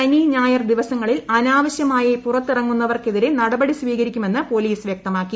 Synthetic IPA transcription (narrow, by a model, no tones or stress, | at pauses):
ɐniːɲaːjɐrd̪iʋɐsɐŋːɐɭilɐnaːʋɐɕjɐmaːjɐpurɐt̪ːirɐŋːunːɐʋɐrkeðiɾenɐɽɐbɐɽisʋiːɣɐɾikʲːume̞nːɨpo̞liːsʋjeɐk̚t̪ɐmaːkːi